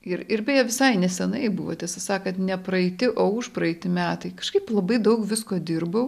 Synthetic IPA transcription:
ɪɾɪɾbʲejoːʋʲɪsɐɪnʲɛsʲɛnɐɪbʊʋo̰ːt̪ʲɛsɐsɑːkɐt̪nʲɛpɾɐɛɪt̪ʲɪʔoːʊʃpɾɐɛɪt̪ʲɪmʲæːt̪ɐɪkɐ̥ʃkɐɪplˠɐbɐɪd̪ɐʊkʋʲɪskoːd̪ʲɪrbɐʊ

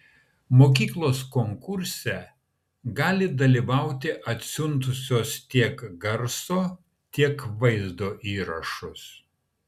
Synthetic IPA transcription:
moːkʲiːklˠoːskoŋkʊɾʲsʲɛ | ɡɑːlʲɪd̪ɐlʲiːˑʋɐˑʊt̪ʲɪʔɐt̪ʲsʲʊnt̪ʊsʲoːst̪ʲiɛkɡɐɾsoː | t̪ʲiɛkʋɐɪzd̪oːʔiːɾɐʃʊs

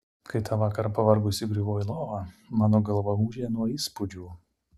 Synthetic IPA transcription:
kɐɪt̪ɑːʋɑːkɐɾpɐʋɐɾɡʊsʲɪɡɾʲɪʋoːjɪlˠoːʋɑmɑːnoːɡɐlˠbɐmuːʒʲeːnuɔiːspʊd͡ʒʲuː

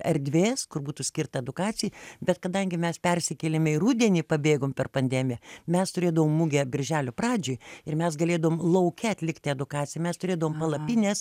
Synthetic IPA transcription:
ɐɾʲd̪ʲʋʲeːskʊrbuːt̪usʲkʲɪrt̪ɐɛd̪ʊkɑːt͡s̪ʲɪjbʲɛt̪kɐd̪ɐŋʲɡʲɪmʲɛspʲɛrʲsʲɪkʲɛlʲɪmʲɪrud̪ʲɛnʲiːpɐbʲeːɡoːmpʲɛrpɐnʲd̪ʲæmʲɪjɛmʲɛst̪ʊɾʲeːd̪ɐʋoːmːuɡʲɛbʲɪɾʲʒʲæːlʲoprɑːd͡ʒʲʊːjɪrmʲɛsɡɐlʲeːd̪ɐʋomlˠɐʊkʲɛɐt̪ʲlʲɪkt̪ʲɪɛd̪ʊkɑːt͡ssʲɪjɛmʲɛst̪ʊɾʲeːd̪ɐʋoːmpɐlˠɐpʲinʲeːs

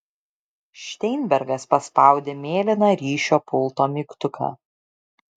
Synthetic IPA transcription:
ʃʲt̪ʲɛɪnʲbʲɛɾɡɐspɐspɑˑʊd̪ʲeːmʲeːlʲɪnɑːɾʲiːʃʲoːpʊlˠt̪oːmʲiːkt̪ʊkʰɑ̰ː

